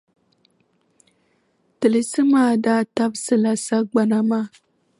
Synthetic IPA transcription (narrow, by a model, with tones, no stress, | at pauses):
tɨ˨lɨ˨sɨ˦maː˦daː˦ta˦bsɨ˦la˨sa˦ɡ͡ba˦na˨maː˦